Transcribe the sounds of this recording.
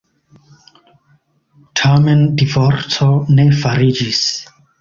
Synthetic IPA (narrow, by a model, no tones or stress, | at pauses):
tʰamendivoɾsone̞faɾid͡ʒis